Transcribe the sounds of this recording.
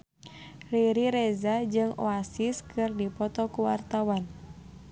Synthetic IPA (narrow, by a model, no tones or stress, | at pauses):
riɾiɾɛzad͡ʒɨŋo̰asiskʰɨrdipɔt̪ɔkuwa̰rt̪awan